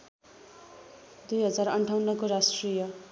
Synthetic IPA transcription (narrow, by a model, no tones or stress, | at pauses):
d̪ujɦʌd͡zarʌɳʈʰawnːʌkoɾasʈrijʌ